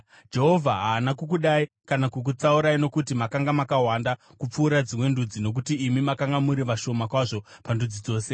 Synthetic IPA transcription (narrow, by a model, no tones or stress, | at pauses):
d͡ʒe̞ɦo̞vʱaɦaːnakuk̬uɗai | kanakuk̬ut͡sauɾaino̞kutimakaŋɡamakaɦwanda | kup͡fuːɾad͡zimwe̞ndud͡zino̞k̬utiːmimakaŋɡamuɾiʋaʃo̞makwaʐo̞pandud͡zid͡zo̞ːse̞